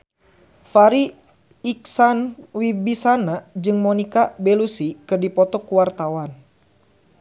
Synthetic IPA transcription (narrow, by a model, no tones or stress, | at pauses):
faɾiː | k̚sanwibisanad͡ʒɨŋmɔnikabɛlusikɨrdipɔt̪ɔkuwart̪awan